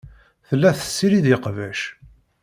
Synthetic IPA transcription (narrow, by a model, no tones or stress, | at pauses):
θəlːæθə̥sːiɾiðɪqvæʃ